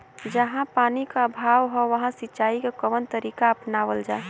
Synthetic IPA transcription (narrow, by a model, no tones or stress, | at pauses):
d͡ʒəɦãpaːnikaəbʱaːʋɦɔʋəɦãsɪtːʃaːikekəʋənt̪əɾikaəpnaʋəld͡ʒa